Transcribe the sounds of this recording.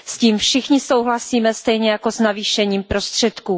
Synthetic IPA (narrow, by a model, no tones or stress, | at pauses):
sciːmfʃɪxɲɪso̞wɦlasiːmɛst̪ɛjɲɛjakoznaviːʃɛɲiːmpɾo̞st̪r̝̥ɛt̪kuː